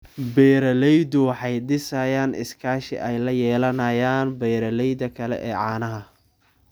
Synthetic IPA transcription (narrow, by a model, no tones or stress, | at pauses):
bɛːɾɐlɛjdʊwɑħɑjɖɪsɐjaːnʔɪ̰skʰaːʃɪ̰ʔɛjlɐjɛːlɐnɐjaːnbɛjɾɐlɛjðɐkʰɐlɛ̰ʔɛːʕɑːnɐɦɐ